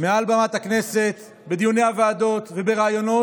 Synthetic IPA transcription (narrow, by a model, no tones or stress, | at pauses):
mealbamat̪hakne̞se̞t̪ | be̞d̪ijuneaveaːd̪o̞t̪vebe̞ʁaːjo̞no̞